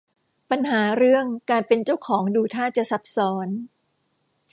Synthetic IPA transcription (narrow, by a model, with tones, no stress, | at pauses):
pa˧nɦaː˩˦ɾɯ˥˩əŋkaː˧npe˧nt͡ɕa˥˩wkʰɔː˩˦ŋduː˧t̪ʰaː˥˩t͡ɕa˨˩ʔsa˩˦p̚sɔː˩˦n